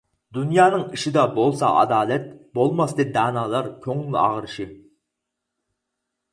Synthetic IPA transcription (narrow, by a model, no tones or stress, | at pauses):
d̪unjɑːnɨŋiʃɪd̪ɑbolˠsɑ̰ʔɑ̰d̪ɑːlˠɛt̪̚bolˠmɑsd̪ɪp̚d̪ɑːnɑlˠɑɾkʲʰøŋly̰ɑ̰ʁəɾɨʃɪ